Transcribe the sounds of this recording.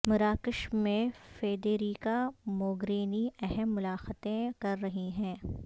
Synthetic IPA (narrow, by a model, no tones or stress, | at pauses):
mʊɾaːkɪʃmẽfeːd̪eːɾiːkamoːɡɾeːniɛɦɛmːʊlaːxt̪ẽkɐɾːɐɦiɦɛ̃ː